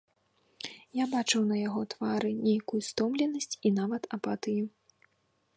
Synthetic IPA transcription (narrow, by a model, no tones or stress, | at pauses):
jabat͡ʂɨwnɐjaɣɔt̪vaɾɨnʲejkujust̪ɔmlʲɛnɐsʲt͡sʲinavɐt̪ɐpat̪ɨju